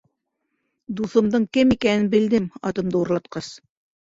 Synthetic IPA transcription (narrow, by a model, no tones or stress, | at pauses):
d̪uθɤ̆md̪ɤɴkɘmikænɘnbɘ̆ld̪ɘmɑ̰t̪ɤ̆md̪ɤuɾlˠɑt̪qɑs